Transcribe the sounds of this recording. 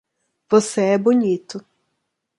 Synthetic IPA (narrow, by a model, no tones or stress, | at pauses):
pɔsɛbʊnʲit̪ʊ